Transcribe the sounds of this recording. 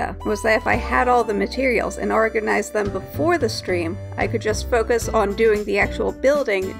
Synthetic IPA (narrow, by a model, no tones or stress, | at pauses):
ɨ̰wʌzðɨɾɨfaɪəɾɔlˠðəmɨtʰɪɹil̩ˠzɨ̰̃nɔɹɡɨnaɪzðɨ̃mbəfɔɹðɨstɹ̥ĩmʔa̰ɪkɨd̚d͡ʒʌstfoʊkɨsn̩dʉɪ̃ŋðiæk̚t͡ʃul̩ˠbɪlˠdɪ̃ŋ